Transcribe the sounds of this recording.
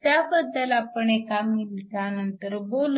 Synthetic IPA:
t̪jabəd̪ːəlapəɳekamilt̪janənt̪əɾbol

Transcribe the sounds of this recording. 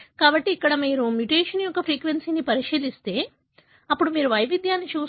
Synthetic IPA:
kaːbɐʈːiːkːɐɽɐmiːɾumjuʈeːʂɐnjɔkːɐpʰɾiːkʋensiːnipɐɾiʂiːlist̪e̞ː | ɐpːuɽumiːɾuʋɐjʋid̪ʱjaːnːit͡ʃuː

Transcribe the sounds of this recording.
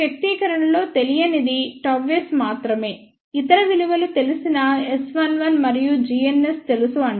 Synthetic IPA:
jɐk̚t̪iːkɐɾɐɳɐlo̞ːt̪e̞lijɐnid̪iʈɐʋesmaːt̪ɾɐme̞ː | it̪ɐɾɐʋiluʋɐlut̪e̞lusinɐesʋɐnʋɐnmɐɾijud͡ʒienːe̞st̪e̞lusuɐɳ

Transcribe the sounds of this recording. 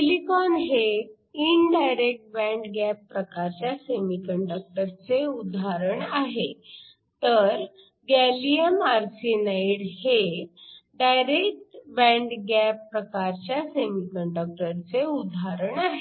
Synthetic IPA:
likɔnɦe | inɖajɾek̚ʈ̚bɛ̃ɳɖɡæpːɾəkaɾt͡ɕjasemikəɳɖək̚ʈəɾt͡seud̪ʱaɾəɳaɦe | t̪əɾ | ɡɛliəmaɾsinajiɽhe | ɖajɾek̚ʈbɛ̃ɳɖɡæpːɾəkaɾt͡ɕjasemikəɳɖək̚ʈəɾt͡seud̪ʱaɾəɳaɦe

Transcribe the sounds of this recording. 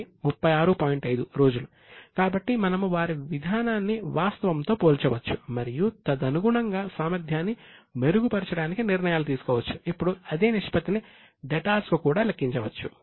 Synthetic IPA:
mupːɐjaːɾupaːjiɳʈɐjd̪uɾo̞ːd͡ʒulu | kaːbɐʈːimɐnɐmuʋaːɾiʋid̪ʱaːnaːnːiʋaːst̪ɐʋɐmt̪o̞ːpoːlt͡ʃɐʋɐt͡ʃːumɐɾijut̪ɐd̪ɐnuɡuɳɐŋɡaːsaːmɐɾd̪ʱjaːnːime̞ɾuɡupɐɾt͡ʃɐɽaːnikiniɾnɐjaːlut̪̬iːsu̥kɔːʋɐt͡ʃːu̥ipːuɽuɐd̪e̞ːniʂpɐt̪ini | ɖeʈaːlskukuːɽaːlɐkːiɲt͡ʃɐʋɐt͡ʃːu

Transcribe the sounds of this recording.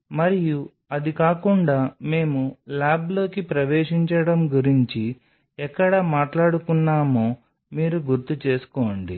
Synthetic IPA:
mɐɾiju | ɐd̪ikaːkuɳɖaːme̞ːmulaːblo̞ːkipɾɐʋeːʂiɲt͡ʃɐɽɐmɡuɾiɲt͡ʃi | ɛkːɐɽɐmaːʈlaːɽukunːaːmoː | miːɾuɡuɾt̪ut͡ʃe̞ːsu̥koːɳɖḭ

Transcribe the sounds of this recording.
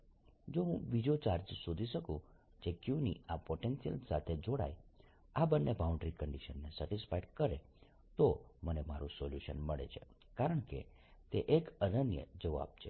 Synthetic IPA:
d͡ʒoɦũʋid͡ʒiot͡ʃaɾd͡ʒsod̪ʱiʃəkũ | d͡ʒekjunḭapoʈensijə̰lsat̪ʰed͡ʒoɽa̰j | abənːebaũɳɖɾikəɳɖiʃənːesəʈɪsfaiɖkəɾe | t̪omənemaɾũsoljuʃə̰nməɭḛt͡ʃʰe | kaɾəɳkḛ | t̪eʔekənənjə̰d͡ʒəʋa̰b̚t͡ʃʰe

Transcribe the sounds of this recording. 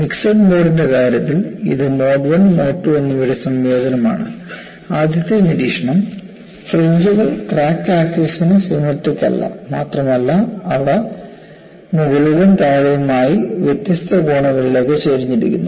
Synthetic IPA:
miksɐnmoːrinde̞kaːɾjɐt̪ːilḭðɨmoːɖʋɐnmoːʈːuenːɐʋɐɽɐsɐmjeːd̪ɐnɐma̰ːɳɨ̰ | aːd̪ʱjɐt̪jɐniɾiːʂɐɳɐm | freɲd͡ʑuɣɐɭʈraːkːaːkːɐsinɨsumɐʈːikʲːɐ̰lːɐ̰maːt̪rɐmɐlːɐɐʋɽɐ | muɡɐɭuɣɐnt̪aːɻɐjɐmaːjiʋjet̪ːjɐst̪ʰɐɡoːɳɐɣɐɭilokːet͡ɕeːɾiɲːiɾḭkʲːṵnːɐ

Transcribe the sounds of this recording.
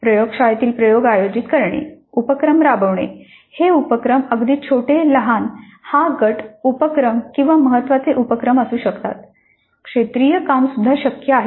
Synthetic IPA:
pɾəjoɡʂajt̪iːlpɾəjoɡajod͡ʑit̪kəɾɳḛ | upəkɾəmɾabəʋɳ̃ḛ | heupəkɾəməɡd̪iːt͡ɕʰoʈeləɦan | haɡəʈʰupəkɾəmkĩw̃ʋaməɦət̪ːʋat͡seʔupəkɾəməsuːɕəkt̪a̰t̪ | kʂet̪ɾijəkamsud̪ʱːaɕəkjəaɦe

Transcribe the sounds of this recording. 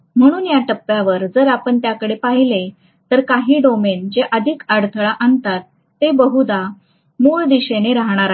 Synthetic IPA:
m̤əɽ̃uːnjaʈəpːjaʋəɾd͡zəɾapəɳt̪jakəɽepaɦile | t̪əɾkaɦiːɖomend͡ʑeʔəd̪ʱikaɽt̪ʰəɭaʔant̪at̪ː | ebəɦud̪a | muɭd̪iɕeneɾaɦɽ̃aɾa

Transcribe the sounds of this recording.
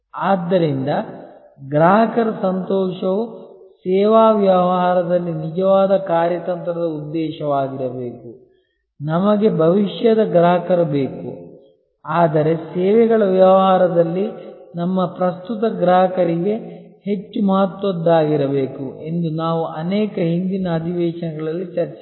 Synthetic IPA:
aːd̪ːɐɾind̪ɐ | ɡɾaːɦɐkɐɾɐsɐnt̪ɔːʃɐʋu | sɛːʋaːʋjɐɐɦaːɾɐd̪ɐlːinid͡ʒɐʋaːd̪ɐkaːɾjɐt̪ɐnt̪ɾɐd̪ɐud̪ːɛːʃɐʋaːɡiɾɐbe̞ːku | nɐmɐɡe̞bʱɐʋiʃjɐd̪ɐɡɾaːɦɐkɐɾɐbe̞ːkṵ | aːd̪ɐɾe̞sɛːʋɛɡɐɭɐʋjɐʋɦaːɾɐd̪ɐlːinɐmːɐpɾɐst̪ut̪ɐɡɾaːɦɐkɐɾiɡe̞he̞t͡ʃːumɐɦɐt̪ʋɐd̪ːaːɡiɾɐbe̞ːkuʔe̞nd̪unaːʋuʔɐnɛːkɐɦind̪inɐːd̪ʱiʋɛːʃɐnɐɡɐɭɐlːit͡ʃɐɾt͡ʃɛ

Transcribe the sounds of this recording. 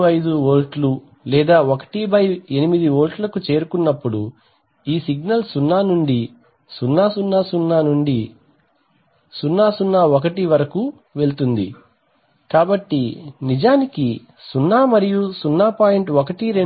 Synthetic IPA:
ɐjd̪uoːlʈlu | lɛːd̪aːokɐ̥ʈibɐjenimid̪ioːlʈlɐkut͡ʃe̞ːɾukunːɐpːuɽu | iːsiɡnɐlsunːaːnuɳɖi | sunːaːsunːaːsunːaːnuɳɖi | sunːaːsunːaːokɐʈiʋɐɾɐku | ʋe̞lt̪und̪ḭ | kaːbɐʈːinid͡ʒaːniki | sunːaːmɐɾijusunːaːpaːjeɳʈokɐʈiɾe

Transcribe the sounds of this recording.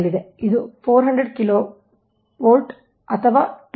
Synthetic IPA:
ɭːid̪eid̪upʰoːɾɦɐɳɖɾeɖkiloː | ʋoːlʈ | ɐt̪ʰɐʋaːʈ

